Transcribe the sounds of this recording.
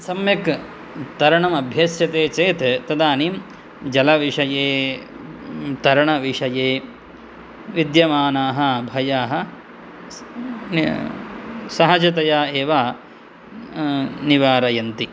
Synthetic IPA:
sɐmjɐk | t̪ɐɾɐɳɐmɐbʱjɐsjɐt̪eːt͡ʃeːt̪t̪ɐd̪aːnim | d͡ʒɐlɐʋiʂɐjeː | t̪ɐɾɐɳɐʋiʂɐjeː | ʋid̪jɐmaːnaːɦɐ̆bʱɐjaːɦɐ̆ | sɐɦɐd͡ʒɐt̪ɐjaːeːʋaː | niʋaːɾɐjɐnt̪i

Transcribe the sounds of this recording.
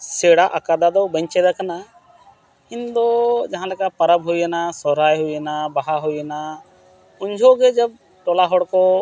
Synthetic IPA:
seɽaʔakad̪ad̪ɔwbə̃ɲt͡ʃɛd̪akana | ɪnd̪ɔd͡ʒɐɦãlɛkapɐɾəbɦuiənasɔɾajɦuiənabaɦaɦujəna | ʊɲd͡ʒʱoɡɛd͡ʒəb̚ | ʈɔlaɦɔɽkɔ

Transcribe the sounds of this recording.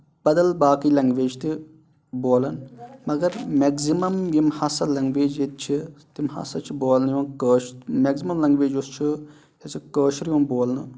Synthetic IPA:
b̥ɐd̪ɐlbaːkilɐŋɡʋeːd͡ʒt̪i | boːlɐnmɐɡɐɾmeɡzimɐmjimhɐsɐlɐŋɡʋeːd͡ʒet̪̚t͡ʃʰit̪imhɐ̰sɐt͡ʃʰiboːlnjunkəːʃmeːɡzimɐmlɐŋɡʋeːd͡ʒust͡ʃʰi | hɐt͡sikəːʃɾjunboːlnɨ

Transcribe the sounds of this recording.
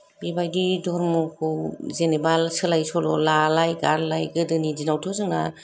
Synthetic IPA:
bebajdidɔɾmɔkʰɯwzenebalsɯlajsɔlɔlalajɡaɾlajɡɯdɯnid͡ʒinawtʰɔzɯŋna

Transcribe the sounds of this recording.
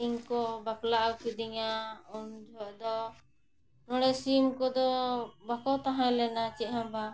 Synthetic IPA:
iŋkɔbaklaʔawkid̪iŋaund͡ʒʱɔʔd̪ɔ | nɔ̃ɽɛsimkɔd̪ɔbakɔt̪aɦãlɛnat͡ʃɛɦamba

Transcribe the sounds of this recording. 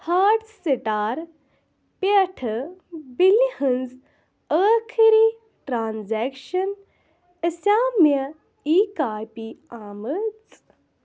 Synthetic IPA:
haːʈsiʈaːɾ | peʈʰəbilːihənz | əːkʰiɾi | ʈɾaːnzɛkʃɐn | əsaːmjɐ | ikaːjpiaːmət͡s

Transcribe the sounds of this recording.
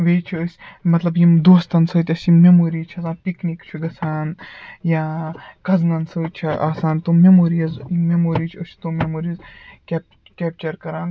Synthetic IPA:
ʋeːt͡ʃʰiəsʲmɐt̪lɐbjimd̪oːst̪ɐnsɐːt̪ʲɐsʲimemoːɾiːt͡ʃʰɐzaːnpiknikt͡ʃʰuɡɐsʰaːnjaːkɐznɐnsəːt͡ʃʰɐʔaːsaːnt̪oːmemoːɾijɐzmemoːɾiːt͡ʃʰɐsʲʰt̪omemoːɾizkʲep | kʲeːp̚t͡ʃɐɾkɐɾaːn

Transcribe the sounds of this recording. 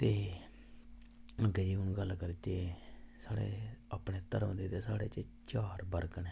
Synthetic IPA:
t̪eː | ə̃ɡɛːd͡ʒiːɦʊnɡəlːkəɾit̪eːsaːɽḛːapɽeːt̪əɾəmd̪eːt̪eːsaːɽeːt͡ʃt͡ʃaːɾbəɾkəneː

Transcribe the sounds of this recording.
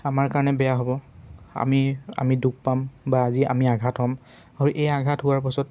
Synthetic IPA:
amaɹkaɹɔnɛbɛjaɦobɔa̰mia̰miduɡ̚pambaːziʔa̰miaɡʱatɦɔm | aɹuʔejaɡʱatɦʊwaɹpɔsɔt

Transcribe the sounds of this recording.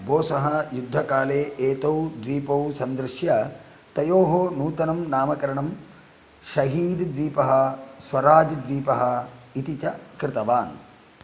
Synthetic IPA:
boːsɐɦɐjud̪ʱːɐkaːleːʔeːt̪ɐwd̪ʋiːpɐwsɐnd̪ɾɪʃjɐ | t̪ɐjoːɦoːnuːt̪ɐnɐmnaːmɐkɐɾɐɳɐm | ʃɐɦiːd̪d̪ʋiːpɐɦɐ̆sʋɐɾaːd͡ʒd̪ʋiːpɐɦɐ̆it̪it͡ʃɐkɾɪt̪ɐʋaːn

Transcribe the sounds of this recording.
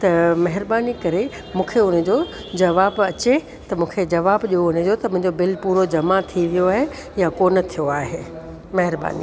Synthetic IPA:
t̪ɐmɐɦɪɾbaːnikɐɾe | mũːkʰeʊnəd͡ʑo | d͡ʑɐʋaːbɐt͡ɕe | t̪ɐmũːkʰed͡ʑɐʋaːbʄioʊnə̃d͡ʑot̪ɐmʊ̃ɦɪ̃ɲd͡ʑobɪlpuːɾod͡ʑɐmat̪ʰiʋijoaːɦe | jakoːnət̪ʰijoaːɦeː | mɐɦɪɾba̰ːnḭː

